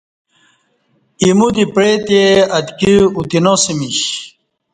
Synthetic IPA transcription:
imud̪ipɾet̪eɐd̪kiut̪inosimiɕ

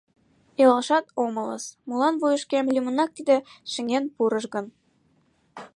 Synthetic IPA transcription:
elɑlˠʃɑt̪omɤ̆lɤ̰ə̰smulɑnβujə̆ʃkemlʲymə̆nɑk̚t̪id̪ĕʃɘ̆ŋenpuɾɤ̆ʃɣə̆n

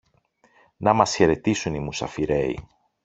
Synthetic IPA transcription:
nɐmɐsçe̞ɾe̞t̪isunimusɐ̰fiɾe̞ḭ

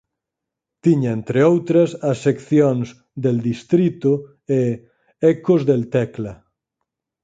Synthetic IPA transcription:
t̪iɲaent̪ɾeowt̪ɾɐsɐsːekθjoŋz | d̪eld̪ist̪ɾit̪o | e | ɛkozðelt̪ɛkla

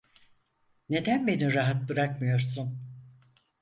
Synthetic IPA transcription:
ne̞d̪ænbe̞niɾaɦat̪̚bɯɾakmɯjo̞ɾsun

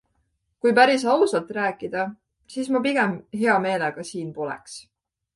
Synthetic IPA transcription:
kujpæɾisɑwsɑlt̪ˑræːkːˑid̪̥ɑ | siːsmupiɡ̥emɦe̞ɑme̞ːleɡ̥ɑsiːnpo̞lḛks

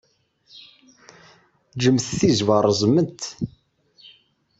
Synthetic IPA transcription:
d͡ʒəmθθizvəɾˤəzˤmənt̪

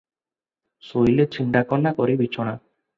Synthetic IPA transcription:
sojlet͡ʃʰiɳɖakɔnːakɔɾibit͡ʃʰɔɽ̃a

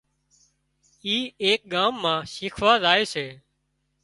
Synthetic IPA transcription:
iːeːk̚ɠaːmːãːʃiːkʰʋaːzaːeːseː

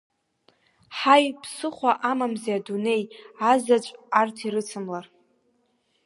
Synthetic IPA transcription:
ħajpʰsɨχʷaʔamamzeadune̞jazat͡ʃʷʼartʰiɾɨt͡sʰɨmlar

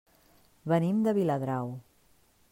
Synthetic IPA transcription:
βənimd̪əβ̞iləðɾaw

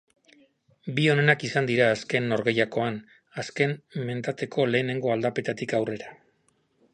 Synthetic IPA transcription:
bio̞ne̞nakisand̪iɾaːske̞nːo̞ɾɣe̞jako̞an | aske̞nme̞nt̪at̪e̞kʰo̞le̞ːne̞ŋɡo̞ald̪ape̞t̪at̪ikawre̞ɾa

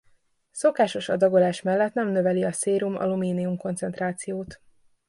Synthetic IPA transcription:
so̞kaːʃo̞ʃɒd̪ɒɡo̞laːʃmɛlːɛt̪nɛmnøvɛliɒseːɾumɒ̰lumiːniumko̞nt̪sɛnt̪raːt̪sijoːt̪

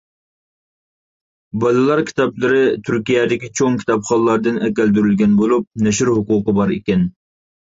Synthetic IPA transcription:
bɑlɨlˠɑɾkʲʰi̥t̪ɑplˠɨɾɪt̪ʰyɾkʲijɛd̪ɪkʲit͡ʃʰoŋkʲʰi̥t̪ɑpχɑlˠlːɑɾd̪ɨnɛkʲæld̪yɾylɡʲɛnbolˠup̚nɛʃyɾɦuqʊːqəbɑɾikʲɛn

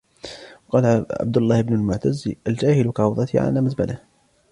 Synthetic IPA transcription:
wɑqɑːlʕa̰b̚d̪ʊlˤːɑːhɪbnʊlmʊʕt̪azːʔald͡ʒaːhɪlkaʕʊwðˤɑt̪ʰiʕa̰laːmazba̰lʔah

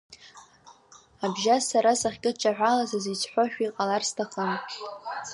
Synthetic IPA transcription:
abʒasaɾasaχʲkʲʼɪt͡ʃʼaʕᶣʷalazazit͡sʰħʷoʃᶣiqʼalarstʰaχən

